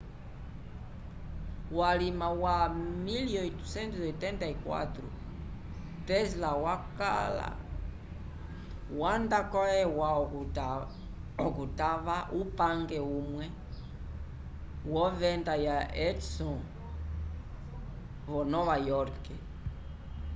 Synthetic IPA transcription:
walimawamiljɔitusɛntusɛtɛntaikwa̰t̪ɾṵ | tɛslawaka̰la̰ | wandakɔɛwa | ɔkutavaʔupaŋɡɛumwɛ | wɔvɛndajaɛtsɔ̃ | βɔnɔβajɔɾkɛ

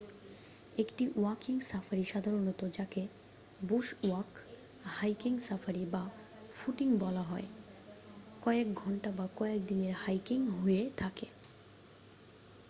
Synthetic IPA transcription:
ekʈiwakiŋsafʰaɾiʃad̪ʱaɾonot̪od͡ʑake | buʃwak | hajkiŋsafaɾiba | fuʈiŋbɔlaɦɔe | kɔekɡʱɔɳʈabakɔek̚d̪ineɾhajkiŋɦoet̪ʰake

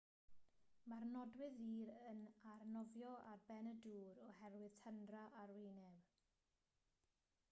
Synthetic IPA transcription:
marnɔdwɪðiːɾənarnɔvjɔʔa̰rbɛnəduːɾɔhɛrwɪð̥tʰəndraʔarweːnɛw

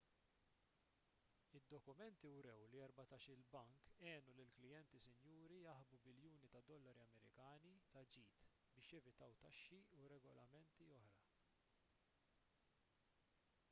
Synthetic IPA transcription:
ɪd̪ːɔkʊmɛnt̪iwɾɛwliɛɾbɐt̪ɐʃɪlbɐŋkɛːnulɪlklɪjɛnt̪isɪnjuːɾijɐħbubɪljuːnit̪ɐd̪ɔlːɐɾiɐmɛɾɪ̰kɐːnit̪ɐd͡ʒiːt̪ | bɪːʃjɛvɪt̪ɐwt̪ɐʃːiuɾɛɡɔlɐmɛnt̪iɔħɾɐ

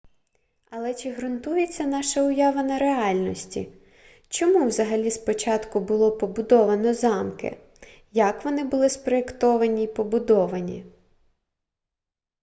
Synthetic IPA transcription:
ɐlˠɛt͡ʃɪɦɾʊnt̪ujet͡sʲːɐnɑʃɐʊjɑʋɐnɐɾeɑlʲnɔsʲtʲḭ | t͡ʃɔmuwzɐɦɐlʲispɔt͡ʃɑt̪kʊbʊlˠɔpɔbʊd̪ɔʋɐnɔzɑmkɪ̰ | jɐkʋɔnɪbʊlˠɪspɾɔekt̪ɔʋɐnʲiipɔbʊd̪ɔʋɐnʲi

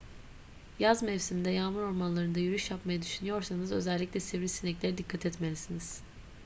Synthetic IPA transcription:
jazmɛvsimd̪ɛjamɯɾo̞ɾmanlˠaɾɯnd̪ajyɾyʃjapmajad̪yʃynyjo̞ɾsanɯzø̞zɛlʲːicʲlʲɛsɛvɾisinɛclʲe̞ɾid̪ikʰːat̪ʰɛt̪melʲisiniz̥

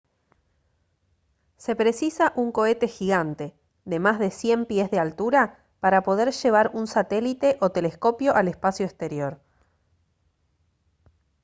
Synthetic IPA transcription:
se̞pɾe̞sisaʔuŋko̞e̞t̪e̞xiɣant̪e̞ | ðe̞mazðe̞sje̞mpjezðealt̪uɾa | paɾapoð̞e̞ɾʒe̞β̞aɾunsat̪elit̪e̞ʔot̪e̞le̞sko̞pjo̞ʔalespasjoekst̪e̞ɾjo̞ɾ

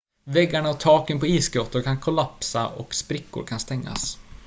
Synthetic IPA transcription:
vɛɡːaɳaɔt̪ʰɑːkənpɔiːsɡɾoːt̪ːʊɾkʰankʰʊlapsaɔkspɾɪkːʊ̰ɾkʰanst̪ɛŋːa̰s

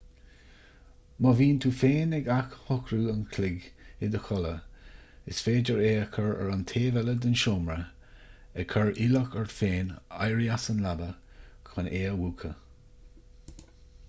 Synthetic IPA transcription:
mɔviːnt̪ʰuːfeːnɛɡakhɔkɾuːənkʰlɪɡɪd̪əxɔlə | ɪsfeːd͡ʒəɹeːəkʰəɹə̰ɹant̪ʰeːvɛləd̪ɪnʃoːmɹə | ɛkʰɔɹʔiləkəɹfeːna̰jɹiasənlabə | kʰɔneːəwuːkʰə

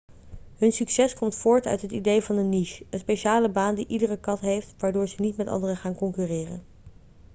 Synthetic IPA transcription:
ɦɵnsyksɛskɔmtfʊːɹtœ̰ɥtɦətidejvɑnəniʃənspejʃaːləbaːndiʔidərəkɑtɦejftʋaːɹdʊːɹzənitmɛtɑ̰ndərəχaːnkɔŋkyrɪːrə̰n

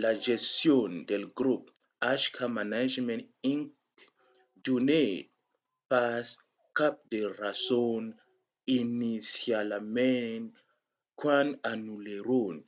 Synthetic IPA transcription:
laʒestjond̪elɡɾup̚ | aʃkʰamanad͡ʒmẽniŋ | d̪une | pas | kap̚d̪erason | inisjalmen | kwãnanuleɾon

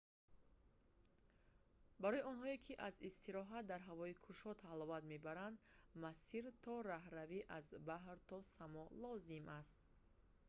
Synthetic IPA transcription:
baɾɔjiɔnɦɔekʰiʔazist̪iɾɔɦat̪̚d̪aɾɦavɔikʰuʃɔt̪ʰalɔvat̪me̞baɾand̪masiɾt̪ʰɔɾaɦɾaviʔazbaɦɾt̪ʰɔsamɔlɔzimʔast̪̚

